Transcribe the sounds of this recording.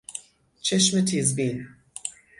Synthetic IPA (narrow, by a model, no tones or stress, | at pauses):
t͡ʃʰɛʃmɨtʰizbĩn